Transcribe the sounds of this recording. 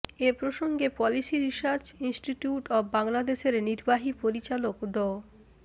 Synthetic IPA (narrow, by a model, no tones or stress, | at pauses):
epɾoʃoŋɡepɔlisiɾiʃaɾd͡ʑinsʈiʈjuʈɔbbaŋlad̪eʃeɾniɾbaɦipoɾit͡ɕalokɖɔ